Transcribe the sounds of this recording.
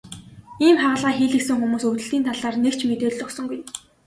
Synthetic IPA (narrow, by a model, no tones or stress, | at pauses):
iːmχaʁə̆ɮʁaːxiːɮɘ̆ksɘ̆ŋxumuːsɵt̪ɘ̆ɬt̪iːnt̪ʰaɮaːrnekt͡ɕʰmet̪eːɮɔksɞ̆ŋɡuj